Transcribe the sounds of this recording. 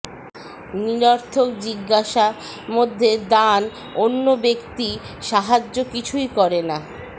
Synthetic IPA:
niɾaɾt̪ʰok̚d͡ʑiɡːaʃa | mod̪ʱːed̪an | onːobekt̪i | ʃaɦad͡ʑːokit͡ɕʰujkɔɾena

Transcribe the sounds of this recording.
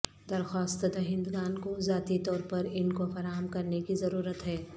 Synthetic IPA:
d̪ɐɾxaːst̪d̪ɐɦɪ̃nd̪ɡaːnkozaːt̪it̪ɔːɾpɐɾɪnkofɐɾaːɦəmkɐɾnekizɐɾuːɾət̪ɦɛː

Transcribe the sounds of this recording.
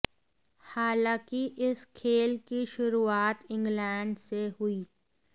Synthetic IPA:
haːlãːkiʔɪskʰeːlkiʃʊɾuaːt̪ɪ̃ŋɡlɛːɳɖseɦʊiː

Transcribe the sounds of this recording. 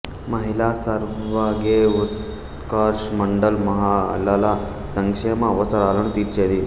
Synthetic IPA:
mɐɦilaːsaɾʋaːɡeut̪ | kaːɾʂmɐɳɖɐlmɐɦaːɐ̰lɐlɐ | sɐŋkʂeːmɐːʋɐsɐɾaːlɐnut̪iːɾt͡ʃeːd̪i

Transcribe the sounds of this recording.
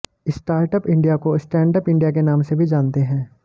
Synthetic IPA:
ɪsʈaːɾʈəpɪ̃ɳɖijakoɪsʈɛ̃ːɳʈəpɪ̃ɳɖijakenaːmsebʱid͡ʒãːnt̪eɦɛ̃ː

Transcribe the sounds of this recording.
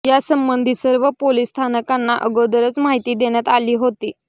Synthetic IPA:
jasəmbənd̪ʱiːsəɾʋəpoliːst̪ʰanəkanːaʔəɡod̪əɾət͡smaɦit̪iːd̪eɽ̃jat̪aliːɦot̪iː

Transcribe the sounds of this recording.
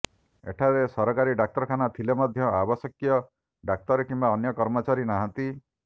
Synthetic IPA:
ḛʈʰaɾesɔɾɔkaɾiɖak̚t̪ɔɾkʰanat̪ʰilemɔd̪ʱjɔabɔsɔkijɔ | ɖak̚t̪ɔɾekimbaɔnjɔkɔɾmɔt͡ʃaɾinaɦant̪i

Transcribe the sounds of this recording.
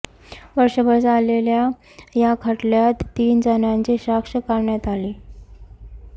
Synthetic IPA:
ʋəɾʂəbəɾd͡zalelja | jakʰəʈljat̪ːiːnd͡zənjãɲt͡ɕeɕakʂəkaɾɳjat̪aliː

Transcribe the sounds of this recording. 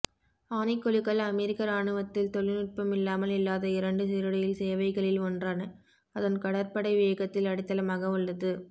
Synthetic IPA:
aːnɪkːɔɭɪkːɐɭɐmɛɾɪkːɐɾaːɳɯʋɐt̪ːɪlt̪ɔɭɪnɪʈ̚pɐmɪlːaːmɐlɪlːaːðɐɪɾɐɳɖɯsɪɾɯɽɐjɪlseːʋɐɪɣɐɭɪlɔndraːnɐ | ɐðɐnkɐɽɐɾpɐɽɐɪʋɪjɐɣɐt̪ːɪlɐɽɪt̪ːɐlɐmaːɣɐɯɭːɐðɯ

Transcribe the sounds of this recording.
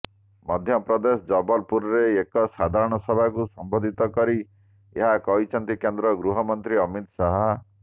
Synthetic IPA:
mɔd̪ʱjɔpɾɔd̪esɔd͡ʒɔbɔlpuɾɔɾeekɔsad̪ʱaɾɔɽ̃ɔsɔbʱakusɔmbod̪ʱit̪ɔkɔɾi | eɦakɔɦit͡ʃʰɔnt̪ikend̪ɾɔɡɾuɦɔmɔnt̪ɾiɔmit̪saɦa

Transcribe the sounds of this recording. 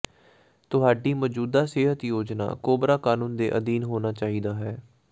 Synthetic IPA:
t̪ʊɦaːɖiːmɔːd͡ʒuːd̪aːseːɦət̪joːd͡ʒna̰ːkoːbɾaːkaːnũːnd̪ḛːʔəd̪iːnɦoːnaːt͡ʃaːɦiːd̪aːɦɛː

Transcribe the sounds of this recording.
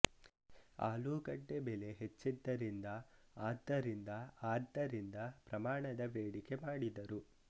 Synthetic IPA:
a̰ːluːkɐɖːebele̞ɦet͡ʃːid̪ːɐɾind̪ɐ | aːd̪ɐɾind̪ɐaːd̪ːɐɾind̪ɐpɾɐmaːɳɐd̪ɐʋeːɽike̞maːɽid̪ɐɾu

